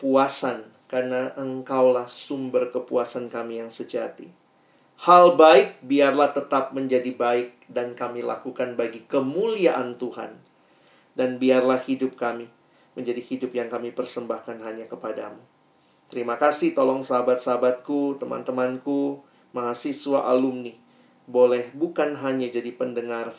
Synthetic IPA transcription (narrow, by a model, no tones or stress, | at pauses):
puasan | karnaʔəŋkawlahsumbərkəpuasankamijaŋsəd͡ʒat̪ḭ | halbaɪk̚biarlaht̪ət̪ap̚məɲd͡ʒadibaɪk̚dankamila̰kukanbaɡikəmuliaʔant̪uɦa̰n | danbiarlahhidʊp̚kami | məɲd͡ʒadihidʊpjaŋkamipərsəmbahkanɦaɲakəpada̰mu | t̪əɾimakasɪht̪olɔŋsaɦabat̪̚saɦabat̪̚kut̪əma̰nt̪əmanku | maɦasisuwaʔa̰lʊmnih | bolɛhbukanɦaɲad͡ʒadipəndəŋar